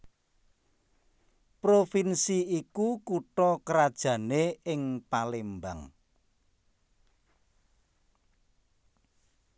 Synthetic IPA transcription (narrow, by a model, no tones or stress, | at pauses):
pɾofinsiikukuʈɔkəɾad̥ʒ̥ä̤neɪŋpalemba̰ŋ